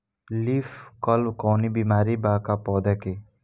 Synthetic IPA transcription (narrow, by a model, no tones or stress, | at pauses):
liːfkɔlkɔːnibiːmaːɾibaːkapɔːd̪ake